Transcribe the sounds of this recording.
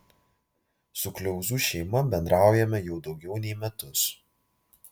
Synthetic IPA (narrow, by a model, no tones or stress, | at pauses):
sʊklʲɛʊzuːʃʲɛɪmɐbʲɛnd̪ɾɑˑʊjɛmʲɛjɛʊd̪ɒʊɡʲɛʊnʲɛɪmʲɛt̪ʊs